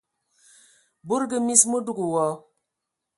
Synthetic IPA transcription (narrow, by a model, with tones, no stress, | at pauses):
bo˦ɾɡə˨mi˦smo˦du˦ɡu˨wɔ˨˦